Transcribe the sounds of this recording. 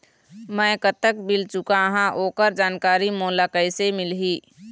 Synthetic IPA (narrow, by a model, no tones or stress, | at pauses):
mə̃kət̪ːək̚bɪlt͡ʃʊkaɦãʔoːkəɾd͡ʒaːnkaːɾimoːlakəɪsemɪlɦiː